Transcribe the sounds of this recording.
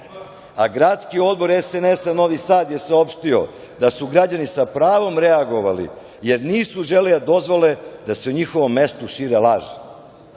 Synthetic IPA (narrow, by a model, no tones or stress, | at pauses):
aɡɾat̪skio̞d̪̚bo̞ɾesenesano̞ʋisaːd̪je̞saopʃt̪io̞̰ | d̪asuɡɾad͡ʑanisapɾaːʋo̞mɾeaɡo̞ʋalḭ | je̞ɾniːsuʒeled̪ad̪o̞zʋo̞le̞d̪ase̞uɲixo̞ʋo̞mːe̞st̪uʃiːɾelaːʒi